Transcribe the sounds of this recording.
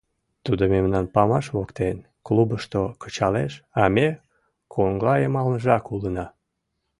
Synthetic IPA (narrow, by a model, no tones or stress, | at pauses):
t̪ud̪omemnɑnpɑmɑʃβokt̪en | klubəʃt̪okə̥t͡ɕɑleʃɑme | kʰoŋɡlɑjemɑlnəʒɑkulənɑ